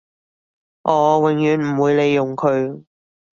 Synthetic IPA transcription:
ʔɔː˨˧wɪ˨˩ŋjyː˨nm̩˨˩wuː˨˧jle˨˧jːʊ˨˩ŋkʰɵ˨˧ɥ

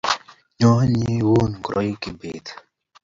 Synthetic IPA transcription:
ɲɔ˦ɲi˦wo˦nɡɾɔ̰˨˦jki˨be˨t̪

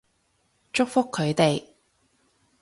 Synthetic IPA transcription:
t͡ʃʊ˥k̚fʊ˥kʰːɵ˨˧ɥt̪e˨j

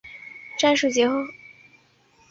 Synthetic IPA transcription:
ʈ͡ʂa˥˧nʂu˥˩t͡ɕjɛ˧˥xo˥˩ʊ

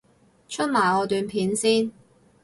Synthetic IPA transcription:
t͡ʃʰɵ˥t̚maː˨˩jɔː˨˧t̪yː˨˧npʰiː˨˥nsiː˥n

